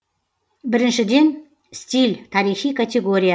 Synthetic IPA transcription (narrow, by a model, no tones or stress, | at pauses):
bɪɾɪnʃɪd̪e̞n | st̪ʲilʲt̪ʰaɾixijkʰat̪ʲeɡoɾʲija